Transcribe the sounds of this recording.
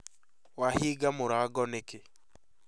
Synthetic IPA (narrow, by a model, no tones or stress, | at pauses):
wahiːɡamoɾaːɡɔneke